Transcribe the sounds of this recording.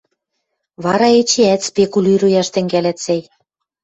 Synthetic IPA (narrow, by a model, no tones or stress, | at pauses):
βɑɾɑet͡ɕeæt̪spekulʲyɾujɑʃt̪ɘ̆ŋɡælæt̪sæj